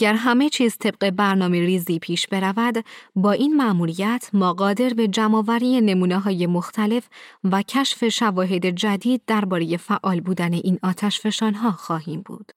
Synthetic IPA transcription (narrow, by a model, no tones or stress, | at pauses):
æɟæɾɦæme̞t͡ʃʰiːzt̪ʰe̞b̥̚ɢe̞bæɾnɒːmeɾiːziːpʰiːʃb̥e̞ɾævæd̪bɒːʔiːnmæʔmuːɾijæt̪ʰmɒːɢɒːd̪e̞ɾbe̞d͡ʒæmɒːvæɾije̞ne̞muːneɦɒːje̞mo̞xt̪ʰæle̞fvæcʰæʃfe̞ʃævɒːɦe̞d̪e̞d͡ʒæd̪iːd̪̚ːæɾbɒːɾe̞je̞fæʔɒːlbuːd̪æne̞ʔiːnɒːt̪ʰæʃfe̞ʃɒːnɦɒːxɒːɦiːmbṵːd̪̥